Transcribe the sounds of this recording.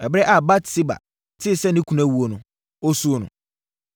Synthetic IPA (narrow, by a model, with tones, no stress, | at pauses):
ɛ˨bɾɛ˦ʔa˨ba˦tsɪ˦ba̰˨ | tʰɪ˦˨sɛ˦nɪ̃˦kʰũ˨nã˦˨wu˨o˨nʊ̃˨ | o˦su˦nʊ̰̃˨